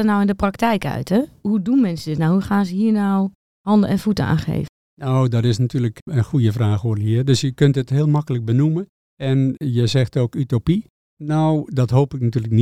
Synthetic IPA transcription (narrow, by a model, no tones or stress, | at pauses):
ərnawɪndəpraktɛjkœ̰ɥtʰhɛhudunmɛnsədɪtnawhuxaːzəhiːrnaw | hɑndəɛnfutəa̰ːxḛːvə | nowdɔtɪsnatyːələkənxujəfraːxoːriədøsjəkøntəthɪəlˠmɑkələk̚bənumən | ɛnjəzɛxtoːkytopi | nowdɔtɦoːpɪk̚natyːləkni